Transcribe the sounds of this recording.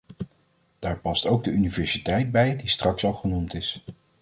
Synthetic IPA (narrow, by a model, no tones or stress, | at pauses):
d̥aːɹpɑstowɡ̚dəynivɛɹsitɛjd̚bɛjdistrɑksɑlˠχənumtɪs